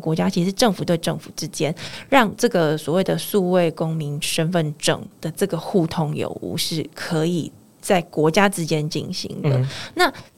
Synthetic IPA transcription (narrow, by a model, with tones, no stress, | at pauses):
kwɔ˧˥t͡ɕja˥t͡ɕʰi˧˥ʂ̩˧ʂɻ̩˥˧ʈ͡ʂɤ˥˩ŋfu˨˩t̪we˥˧ɪʈ͡ʂɤ˥˨ŋfu˨˩ʈ͡ʂɻ̩˥t͡ɕjɛ˥nɻɑ˥˧ŋʈ͡ʂɤ˥˩ɡə˩swɔ˨˩we˥˩ɪd̪ə˩su˥˧we˥˩ɪko˥ŋmi˧˥nʂə˥nfə˥˨nʈ͡ʂɤ̰˨˩ŋd̪̥ə˨ʈ͡ʂɤ˥˩ɡə˩xu˥˩t̪ʰo˥ŋjo̰˨˩ʊṵ˧˥˦ʂɻ̩˥˩kʰɤ˧˦i˨˩ | t͡sa˥˩ɪkwɔ˧˥t͡ɕja˥ʈ͡ʂɻ̩˥t͡ɕjɛ˥nt͡ɕḭ˥˩nɕḭ˧˥ŋd̪ə̰˨na˥˨